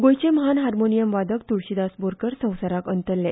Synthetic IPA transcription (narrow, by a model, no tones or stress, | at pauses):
ɡojt͡ɕeməɦanɦaɾmonijəmʋad̪ʱəkt̪uɭɕid̪asboɾkəɾsə̃w̃saɾakənt̪əɾlːe